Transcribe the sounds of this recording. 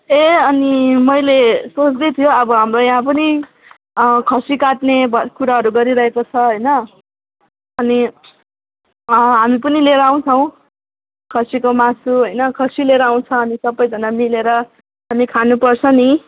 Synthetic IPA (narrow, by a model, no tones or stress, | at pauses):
eʌnimʌjlesot͡sd̪ʌt̪ʰijoʌbʌɦamrojaɦãp̬ʌni | kʰʌsikaʈnebʌkuɾaɦʌɾuɡʌɾiɾʌɦekot͡sʰʌɦʌjnʌ | ʌni | ɦamipʌnileɾʌaw̃t͡sʰʌw̃ | kʰʌsikomasuɦʌjnʌkʰʌsileɾaw̃t͡sʰʌːnisʌbːʌjd͡zʱʌnamileɾʌ | ɦamikʰanupʌrt͡sʰʌni